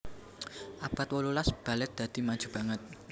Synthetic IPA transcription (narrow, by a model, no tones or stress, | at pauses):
ʔab̥at̪̚wəlulasb̥a̤lɛt̪̚d̪̥ä̤d̪̥i̤mad̥ʒ̥ṳb̥a̤ŋət̪̚